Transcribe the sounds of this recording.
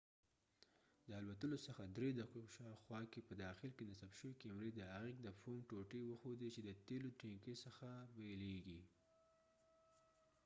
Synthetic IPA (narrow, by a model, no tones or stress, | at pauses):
d̪əalwat̪əlosəxad̪ɾed̪akoʃɑxwɑkepəd̪ɑxɪlkenasabʃəwekemɾed̪əaɣiɡ̚d̪əfomʈoʈewəxod̪it͡ʃed̪ət̪elot̪ɾeŋkesəxabeleɡi